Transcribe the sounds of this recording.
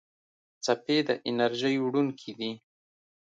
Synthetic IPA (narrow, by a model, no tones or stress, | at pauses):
t͡saped̪əʔɪnaɾʒəjwɽunkʰid̪i